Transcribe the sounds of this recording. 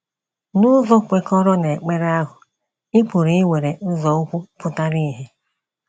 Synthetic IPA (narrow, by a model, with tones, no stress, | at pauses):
nʊ˦zɔ˦kʷe˨kɔ˦ɾɔ˦ne˨k͡pe˦ɾe˦a˦ɦʊ˨ | ɪ˦pu˨ɾi˨i˦we˨ɾe˨n̩˦zɔ˨ʊ˦kʷu˦fʊ˦ta˦ɾi˦i˨ɦe˦